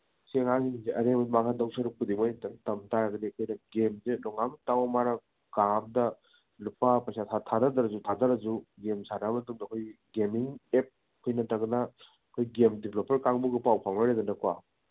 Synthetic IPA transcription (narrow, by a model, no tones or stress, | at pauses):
seŋasiŋiziʔɐɾemɐmakʰandɐwsɐɾuk̚pud̪imojtɐntɐmtaɾaɡɐdiɐkʰojnɐɡemzelɔŋamtawmaɾɐ | kaŋm̚dɐ | lupapɐjsatʰatʰadadɐɾɐzutʰadɐɾɐd͡ʒuɡemsaɾamɐtuŋdɐkʰojɡemiŋep̚ | kʰojnɐtɐɡnɐ | kʰojɡemdepʰlopeɾkaŋbuɡipawpʰaŋnɐɾedɐnɐkwa